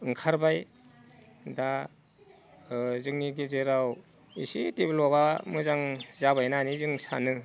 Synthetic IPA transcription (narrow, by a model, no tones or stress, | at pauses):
ɯŋkʰaɾbaj | da | zɯŋniɡizeɾaw | isiteblɔbamɯzaŋzabajnanizɯŋsa̰nɯ